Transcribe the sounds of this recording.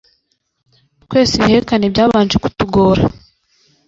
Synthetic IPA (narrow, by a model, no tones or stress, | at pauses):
twe̞ːsiheɾekanebɟaːβaːnd͡ʒeku̥tuɡo̞ːɾa